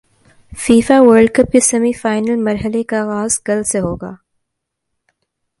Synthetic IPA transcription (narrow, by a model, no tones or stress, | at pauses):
fiːfaʋəɾɖkɐp̚kesɐmifaːɪnəlmɐɾɦəlekaɣaːzɡɐlseɦoːɡaː